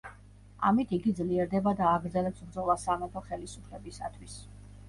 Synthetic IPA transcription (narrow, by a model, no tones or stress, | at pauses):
a̰mit̪ʰiɡid̪zliɛɾd̪ɛbad̪aːɡɾd̪zɛlɛpsbɾd̪zɔlˠasamɛt̪ʰɔχɛlisupʰlɛbisa̰t̪ʰwis